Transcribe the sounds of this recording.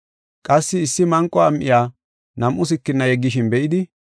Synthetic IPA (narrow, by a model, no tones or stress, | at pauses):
kʼɐsːɪːsːɪmɐŋkʼːɔɐmʔɪjaː | nɐmʔʊs̬ɪkːɪnːɐjɛɡːɪʃɪnbɛʔɪd̪ɪ